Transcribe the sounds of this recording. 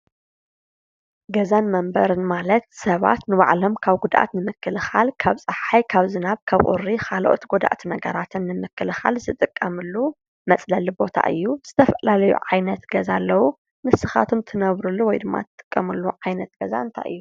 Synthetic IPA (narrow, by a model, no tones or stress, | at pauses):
ɡɐzanmɐmbɐɾɨnmalɐt̪sɐβa̰t̪nɨba̰ʕlo̞mkʰaβɡud̪ʔa̰t̪nɨmɨkːɨlɨxalkʰaβt͡sʼɐħħajkʰaβzɨnaβkʰaβχʼṵrːixaloʔo̰t̪ɡod̪a̰ʔt̪ʰnɐɡɐɾat̪ʰɨnːɨmɨkːɨlɨxa̰lzɨt̪ʼɨkʼːɐmɨlːu | mɐt͡sʼlɐlibo̞t̪ʰa̰ʔɨ̰jːuz̥ɨt̪ʰɐfɐlalɐjṵʕajnɐt̪ɡɐzalːɐwu | nɨsɨxa̰t̪ʰomt̪ʰɨnɐβɾulːuwɔjd̪ɨmːa̰t̪ʰɨt̪ʼːɨ̥kʼːɐmɨlːuʕajnɐt̪ɡ̥ɐza̰ɨnt̪ʰa̰ʔɨ̰jːu